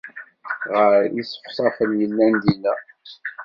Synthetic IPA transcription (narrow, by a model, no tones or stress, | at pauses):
ʁəɾisə̥χsˤɑfənjəlːænd̪ilæ